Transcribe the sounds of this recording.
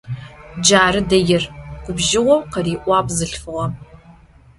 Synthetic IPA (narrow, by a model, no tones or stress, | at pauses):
d͡ʒaːɾɨdɐjɪrɡ̥ʷʊbʒɪwɐqɐriːʔʷɑpʼzɨɬfɨʁɐ